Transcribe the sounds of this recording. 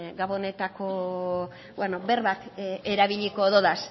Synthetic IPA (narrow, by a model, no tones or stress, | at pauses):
ɡaβone̞t̪ako̞ | wenobe̞rβat̪e̞ɾaβiʎiko̞ðoðas